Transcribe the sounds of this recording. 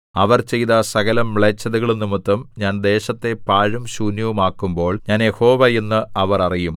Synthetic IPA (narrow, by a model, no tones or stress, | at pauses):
ɐʋɐrt͡ɕe̞jðɐsɐɣɐlɐmːɭet͡ɕːɐðuɣɐɭunːumut̪ːɐmɲaːnd̪e̞ːɕɐt̪ːe̞paːɻumɕuːnjɐʋumaːkːumbo̞ːɭɲaːnjeho̞ːʋɐjenːɨʔɐʋɐrɐrijum